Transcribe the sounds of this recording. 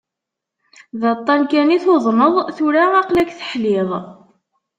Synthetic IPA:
ðɑt̪ˤːɑnkæniθoðˤməðˤθuɾaɑqlækθə̥ħlɪðˤ

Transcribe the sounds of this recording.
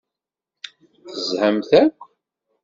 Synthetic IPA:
θəzhəmθækʷː

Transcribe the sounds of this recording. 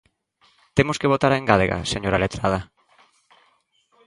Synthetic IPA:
t̪emoskeβ̞ot̪aɾeŋɡaleɣa̰seɲoɾalet̪ɾað̞a

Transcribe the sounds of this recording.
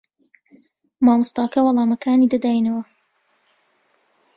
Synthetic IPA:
maːmɨst̪ɑːkɐwɑlˠɑːmɐkʰaːniːd̪ɐd̪aːjnɐwɐ

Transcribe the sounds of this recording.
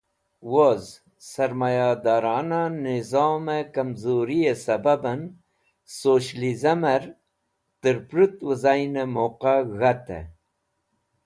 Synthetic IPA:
woz | sɐɾmajad̪aːɾɑːnanizɑːmekɐmzoɾijesɐbabɐn | soːɕlizɐmɐɾ | t̪əɾpɾut̪wəzajnemoqaɣat̪ḛ

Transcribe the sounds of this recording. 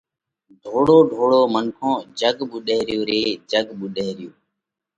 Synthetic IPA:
ɖʱoːɽoːɖʱoːɽoːmənkʰõːd͡ʒəɡɓuɗeːɾɪjoːɾeːd͡ʒəɡɓuɗeːɾɪjoː

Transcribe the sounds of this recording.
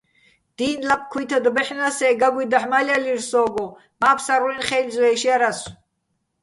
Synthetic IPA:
d̪̥iːnlap̚ʰkʰujt̪ʰad̪bɛħnasɛːɡaɡwid̪aħmalialiɾsɔːɡɔ | maːpʰsaɾuɾinχɛlzɛɛːʃiaɾas

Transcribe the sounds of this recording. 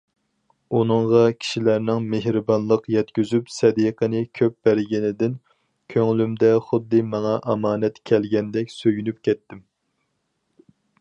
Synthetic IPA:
unɨŋʁɑkʲʰi̥ʃilæɾnɪŋmeɦɾɨbɑnlˠəqjɛt̪kʲyzypsɛd̪iqʰənɪkʲʰøp̚b̥æɾɡʲinɪd̪ɪn | kʲʰøŋlymd̪ɛχʊd̪ːɨmɑŋɑʔɑmɑːnɛt̪kʲʰɛlɡʲɛnd̪ɛkʲsøjynypkʲʰɛt̪ːɪm

